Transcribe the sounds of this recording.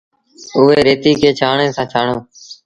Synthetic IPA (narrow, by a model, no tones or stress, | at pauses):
ʊɦeːɾeːt̪iːkʰeːt͡ʃʰaːɳeːsãːt͡ʃʰaːɳoː